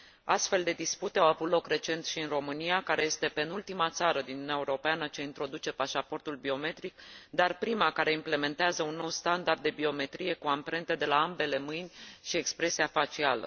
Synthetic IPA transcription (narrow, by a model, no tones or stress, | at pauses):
ast̪fe̞ld̪e̞d̪isput̪e̞awavut̪lo̞kre̞t͡ʃe̞nt̪ʃiɨnro̞mɨnijakaɾeje̞st̪e̞pe̞nult̪imat̪saɾəd̪inuneaeuɾo̞peanət͡ʃe̞int̪ɾo̞d̪ut͡ʃe̞paʃapo̞rt̪ulbio̞me̞t̪ɾikd̪arpɾimakaɾe̞imple̞me̞nt̪eazəunːo̞wst̪and̪ard̪ːe̞bio̞me̞t̪ɾije̞kuampɾe̞nt̪e̞d̪e̞laambe̞le̞mɨjnʲʃie̞kspɾe̞siafat͡ʃialə̰